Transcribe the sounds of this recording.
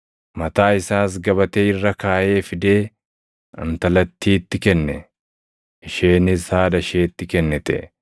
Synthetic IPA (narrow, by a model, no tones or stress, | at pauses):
mɐt̪aːɪsaːs̬ɡɐbɐt̪eːɪrːɐkaːʔe̞ːfɪd̪e̞ː | ɐ̰nt̪ɐlɐt̪ʰːiːt̪ːɪkɛnːɛ | ɪʃeːnɪshaːdɐʃeːt̪ːɪkɛnːɛt̪ɛ̰ʔ